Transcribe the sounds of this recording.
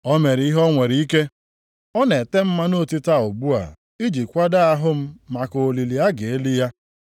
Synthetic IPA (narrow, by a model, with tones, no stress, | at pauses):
ɔ˦me˨ɾi˦ɦɔ˦ŋʷe˨ɾi˨˦i˦ke˦ | ɔ˦ne˨te˦m̩˦ma˦no˦˨ti˦ta˦o˨bu˦a̰˨ | i˦d͡ʒi˨kʷa˦da˦a˦ɦʊ˦m̩˦ma˨ko˨o˨li˨li˨a˦ɡe˨e˦li˦ja˦